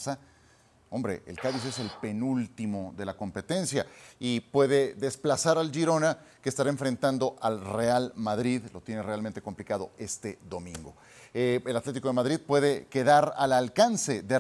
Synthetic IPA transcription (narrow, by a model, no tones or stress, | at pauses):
sa | o̞mbɾe̞̰ʔḛlkaðis̬e̞se̞lpe̞nult̪imo̞ðe̞lako̞mpe̞t̪e̞nsja̰ipwe̞ðe̞ðe̞splasaɾald͡ʒiɾo̞na | keːst̪aɾae̞ɱfɾe̞nt̪and̪o̞ʔalre̞almaðɾiðlo̞t̪je̞ne̞re̞alment̪e̞ko̞mplikaðo̞̰e̞st̪e̞ðo̞mĩŋɡo̞ | eelat̪le̞t̪iko̞ðemaðɾiðpwe̞ðe̞ke̞ðaɾa̰lalkanse̞ðe